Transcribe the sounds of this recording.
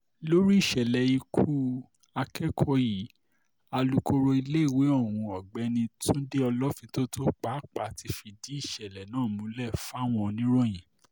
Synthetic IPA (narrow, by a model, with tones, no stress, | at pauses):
lo˦ɾi˦i˦˨ʃɛ˨lɛ˨i˧kʰu˦ | a˧kɛ˦kʰɔ˧ji˨˦ | a˧lu˦ko˧ɾo˧i˧le˦i˦˨we˨˦ɔ˦˨wũ˧ɔ˨ɡ͡bɛ˧˦nĩ˧tũ˦de˦ɔ˧lɔ˦fĩ˧to˦to˦k͡pa˨˦˨k͡pa˨ti˧fi˧di˨˦i˦˨ʃɛ˨lɛ˨nãː˦˨mũ˧˦lɛ˦˨fa˦w̃ɔ̃˧nĩ˦ɾo˦j̃ĩ˨